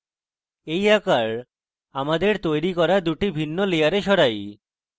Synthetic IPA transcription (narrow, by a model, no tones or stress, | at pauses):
ejakaɾ | amad̪eɾt̪ojɾikɔɾad̪uʈibʱinːolejaɾeʃɔɽaj